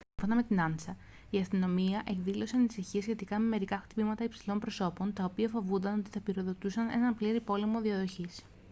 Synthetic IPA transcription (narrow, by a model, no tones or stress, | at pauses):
siɱfo̞nɐme̞t̪inɐnsɐ | iɐst̪ino̞miɐʔe̞kðilo̞se̞ɐnisiçiɐsçe̞t̪ikɐme̞me̞ɾikɐxt̪ipimɐt̪ɐipsilo̞mpɾo̞so̞po̞nt̪ɐo̞piɐfo̞vund̪ɐno̞t̪i̥θɐpiɾo̞ðo̞t̪usɐne̞̰nɐmpliɾipo̞lemo̞ðiɐðo̞çis